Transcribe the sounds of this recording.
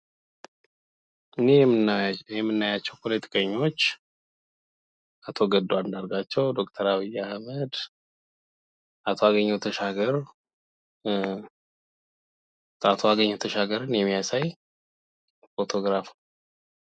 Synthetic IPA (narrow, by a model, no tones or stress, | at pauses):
ɨne | jɛmːɨnːajat͡ʃːɛwpʰolet̪ʰi̥kʼəɲːo̞t͡ʃː | at̪ʰo̞ɡəd̪ːoand̪aɾɡat͡ʃːɛwd̪o̞kʼt̪ʰəɾaβijːahməd̪ | ʔat̪ʰoaɡəɲːɛwt̪ʰəʃaɡəɾ | at̪ʰoaɡəɲːɛwt̪ʰəʃaɡəɾɨnjɛmːijasaj | fot̪ʰo̞ɡɾaf